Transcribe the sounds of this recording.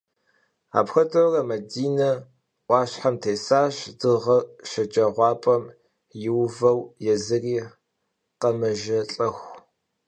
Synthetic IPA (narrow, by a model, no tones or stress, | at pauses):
a̰ːpxɐdʰʼɐrɐmɐdiːnɐ | ʔʷɑːɕħamtʰeːsaːɕdɨʁɐʃɐt͡ʃʼɐʁʷɑːpʼɐm | jɪwvɐwjɛzɨriː | qɐmɐʒɐɬʼɐxʷ